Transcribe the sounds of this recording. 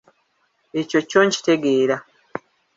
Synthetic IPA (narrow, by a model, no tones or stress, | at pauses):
e̞co̞co̞ːɲci̥te̞ɡe̞ːɾa